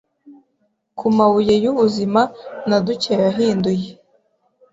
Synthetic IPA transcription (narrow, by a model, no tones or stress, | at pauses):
kʰumawuje̞juβuzimanaduceɾaɦiːnduje